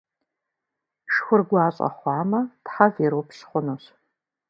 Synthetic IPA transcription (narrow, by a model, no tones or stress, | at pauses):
ʃxʷʊrɡʷɑːɕʼɐ̰χʷɑːmɐtħaviːɾopɕχʷʊnoːɕ